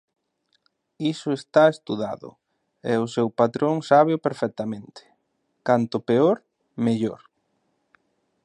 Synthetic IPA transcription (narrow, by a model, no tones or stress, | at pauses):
isʊest̪aest̪uðaðʊ̰ | ɛʊsewpat̪ɾoŋsaβ̞eʊpeɾfɛk̚t̪amẽnt̪ɪ̥ | kant̪ʊpeoɾ | meʎoɾ